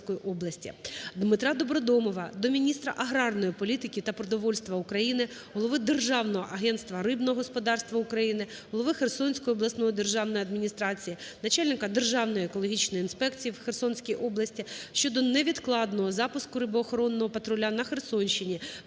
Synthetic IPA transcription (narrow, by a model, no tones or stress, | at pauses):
kɔjiʔɔblˠɐsʲtʲḭd̪mɪt̪ɾɑd̪ɔbɾɔd̪ɔmɔʋɐd̪ɔmʲinʲist̪ɾɐ̰ʔɐɦɾɑrnɔjipɔlʲit̪ɪkʲɪt̪ɐpɾɔd̪ɔʋɔlʲst̪ʋɐukɾɐjinɪ | ɦɔlˠɔʋɪd̪erʒɑwnɔɦɔʔɐɦɛnt̪st̪ʋɐɾɪbnɔɦɔspɔd̪ɑrst̪ʋɐʊkɾɐjinɪ | ɦɔlˠɔʋɪxersɔnʲsʲkɔjiɔblˠɐsnɔɦɔd̪erʒɑwnɔjɐd̪mʲinʲist̪ɾɑt͡sʲijinɐt͡ʃɑlʲnɪkɐd̪erʒɑwnɔjiekɔlˠɔɦʲit͡ʃnɔjinspɛkt͡sʲijiwxersɔnʲsʲkʲijʔɔblˠɐsʲtʲiʃt͡ʃɔd̪ɔnɛʋʲid̪klˠɑd̪nɔɦɔzɑpʊskʊɾɪbɔːxɔɾɔnːɔɦɔpɐt̪ɾɔlʲanɐxersɔnʲʃɪnʲi